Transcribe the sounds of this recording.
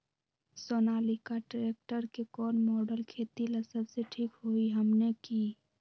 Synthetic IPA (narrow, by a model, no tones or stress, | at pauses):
soːnaːlikaʈɾek̚ʈəɾkekɔːnmɔːɖəlkʰeːt̪iləsəbseʈʰiːkɦoiɦəmnekiː